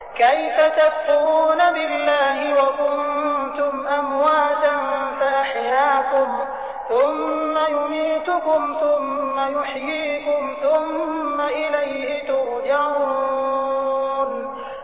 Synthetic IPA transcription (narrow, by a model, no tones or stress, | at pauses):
kajfat̪afːʊɾuːnabɪlːaːɦɪwakʊnnt̪ʊmʔamwaːt̪anfaʔaħjaːkʊm | θʊmːajʊmiːt̪ʊkʊmθʊmːajʊħjiːkʊmθʊmːaʔɪlajhɪt̪ʊʔd͡ʒaɾ | n